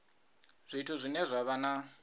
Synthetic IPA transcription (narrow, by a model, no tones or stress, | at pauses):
z̥ʷitʰuzʷinɛzʷaβana